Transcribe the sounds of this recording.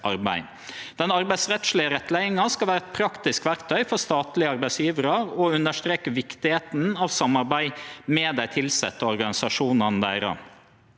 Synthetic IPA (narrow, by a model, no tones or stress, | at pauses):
ʔɑɾbæ̰ɪ | d̪̥ɛnɑɾbæɪsɾɛt̪ʃlɪəɾɛt̪ːlæɪɪŋɑskɑlʋæːɾɛt̪̚pʰɾɑkt̪ɪskʋæɾkt̪ʰœʏfɔɾst̪ɑːt̪lɪəɑɾbæɪsjiːʋəɾɑɾɔʉnəʂt̪ɾeːkəʋɪkt̪ɪheːt̪n̩ɑʋsɑmːɑɾbæɪmɛd̪æɪt̪ʰɪlsɛ̰t̪ːəɔɾɡɑnɪsɑʂuːnɑnəd̪æːɾɑ̰n